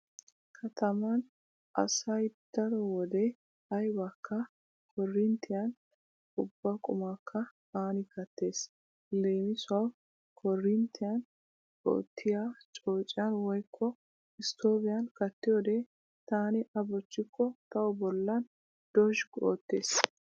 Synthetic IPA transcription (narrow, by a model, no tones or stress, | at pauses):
kʰɐt̪ʰɐmɐn | ʔɐ̰sɐjd̪̥ɐɾɔwɔd̪ɛ | hɐjbɐkːɐ | kʰɔrːɪnt̪ːɪjɐn | ʊbːɐkʼʊmakʰːɐ | aːnɪkɐt̪ːe̞ːs | leːmɪsʊɐw | kʰɔrːɪnt̪ːɪjɐn | o̰ːt̪ʰːɪjat͡ʃʼo̞ːt͡ʃʼːɪjɐnwɔjkʰːɔ | ɪst̪oːbɪjɐnkɐt̪ːɪjoːd̪ɛ | t̪aːnɪʔɐbɔt͡ʃːɪkʰːɔt̪ɐwɔbɔlːɐn | d̪̥ɔʒɡo̰ːt̪ːeːs